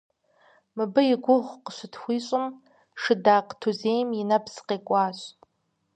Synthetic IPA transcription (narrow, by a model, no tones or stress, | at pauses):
mɨbɨiɡʷʊʁʷqʼʃʷʊtʰχʷiɕʷʼɨm | ʂɨdaːqʼtʰuzejminabʰzqʼekʷʼaːʃʷ